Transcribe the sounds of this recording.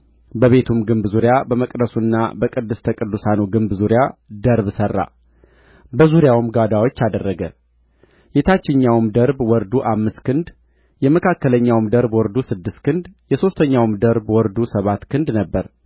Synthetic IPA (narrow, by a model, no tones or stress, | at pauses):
bəβe̞t̪ʰumɡɨmbzuɾjabəməkʼd̪əsunːa̰bəkʼɨd̪ːɨst̪ʰəkʼɨd̪ːusanuɡɨmbzuɾjad̪əɾbsərːa̰ | bəzuɾjawɨmɡad̪awo̞t͡ʃːad̪ərːəɡə | jɛt̪ʰat͡ʃːɪɲːawmd̪əɾbwɔɾd̪uʔamːɨst̪kʰɨnd̪ | jɛməkʰakːələɲːawmd̪əɾbwɔɾd̪usɨd̪ːɨst̪kʰɨnd̪jɛso̞st̪ʰəɲːawmd̪əɾbwɔɾd̪usəβat̪kʰɨnd̪nəbːəɾ